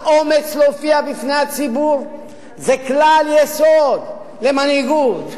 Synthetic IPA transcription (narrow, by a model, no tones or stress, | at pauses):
ʔo̞met͡slofiabifnejat͡sibuʁ | zeklaljesod̪ | le̞maniɡut̪